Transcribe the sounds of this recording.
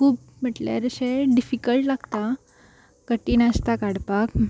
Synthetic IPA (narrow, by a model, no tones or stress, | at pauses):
kuːp̚ | m̤əʈlja̰ɾəɕeɖifikəlʈlaɡt̪a | kəʈiːnəst̪akaɽpak